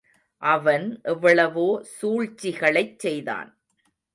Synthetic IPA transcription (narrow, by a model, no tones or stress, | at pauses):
ʔɐʋɐnʔɛʋːɐɭɐʋoːsuːɻt͡ʃːɪɣɐɭɐɪt͡ʃsɛjða̰ːn